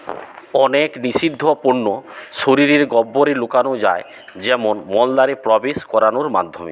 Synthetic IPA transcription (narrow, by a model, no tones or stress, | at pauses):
ɔneknisid̪ʱːɔpoɳːoʃoɾiɾeɾɡɔbːoɾelukanod͡ʒa̰e | d͡ʑɛmonmɔld̪aɾepɾɔbeskɔɾanoɾma̰d̪ʱːo̰mḛ